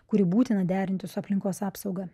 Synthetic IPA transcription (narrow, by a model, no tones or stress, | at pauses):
kʊɾʲɪbuːt̪ʲɪnɐd̪ʲæːɾʲɪnʲt̪ʲɪsʊɐpʲlʲɪŋkoːsɑːpsɒʊɡɐ